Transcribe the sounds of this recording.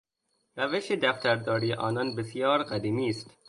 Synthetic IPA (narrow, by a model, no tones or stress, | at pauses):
ɾæveʃed̪æft̪æɾd̪ɒːɾiːʔɒːnɒːnbesijɒːɾqæd̪iːmiːst̪